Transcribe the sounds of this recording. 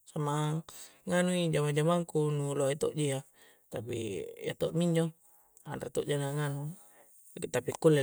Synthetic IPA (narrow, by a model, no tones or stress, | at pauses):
samaŋanuid͡ʒamad͡ʒamaŋkunuloit̪oʔd͡ʒija | t̪apḭja̰t̪oʔmiɲd͡ʒo | andat̪o̰ʔd͡ʒanaŋanu | t̪apikulːe